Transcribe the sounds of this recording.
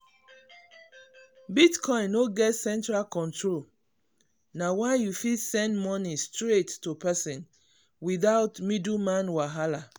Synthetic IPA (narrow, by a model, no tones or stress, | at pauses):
bitkʰɔ̃ɪ̃noɡɛtsɛ̃ntɹalkɔ̃ntʰɹol | nawaɪjufisɛ̃ndmɔnistɹetːopɛsĩn | wiðaʊtmidumãnwaɦala